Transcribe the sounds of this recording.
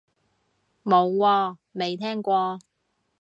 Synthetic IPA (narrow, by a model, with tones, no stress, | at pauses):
mo˨˧wwɔː˧me˨˧jt̪ʰɛː˥ŋkʷɔː˧